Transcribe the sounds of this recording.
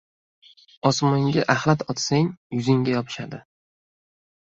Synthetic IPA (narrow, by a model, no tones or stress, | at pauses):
ɒsmʊŋɡʲaʔaχlat̪ʰɒt̪saŋjʊzɪŋɡʲajɒpʰɪ̥ʃad̪ɪ